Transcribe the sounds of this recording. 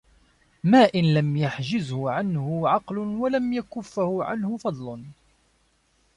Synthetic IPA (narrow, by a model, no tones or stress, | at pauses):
maːʔɪnlamjaħd͡ʒɪzhʊʕanhʊʕɑqlʊnwalamjakʊfːhʊʕa̰nhʊfɑd̪ˤlʊn